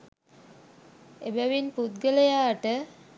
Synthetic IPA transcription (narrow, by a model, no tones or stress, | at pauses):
ebæʋinput̪ɡəlejaːʈə